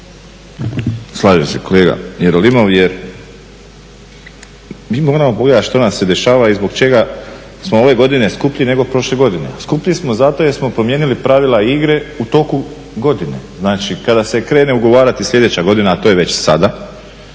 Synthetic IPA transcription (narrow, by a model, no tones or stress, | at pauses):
slˠaːʒeseko̞le̞ːɡa̰jeɾolimo̞ʋjeɾ | miːmo̞ːɾamo̞po̞ɡle̞d̪at̪ʃt̪o̞nasːe̞d̪e̞ʃaːʋaizbo̞ɡt͡ʃe̞ɡa | smooʋe̞ɡo̞d̪ine̞skupʎine̞ɡo̞pɾo̞ʃle̞ɡo̞d̪ineaskupʎismo̞zat̪o̞jeɾsmo̞pɾo̞mje̞ːnilipɾaʋilaiɡɾe̞ut̪o̞ku | ɡo̞d̪ine̞znaːt͡ʃikad̪ase̞kɾeːne̞uɡo̞ʋaːɾat̪islʎʲe̞d̪et͡ɕaɡo̞d̪inaːt̪o̞ːjeʋet͡ɕsad̪a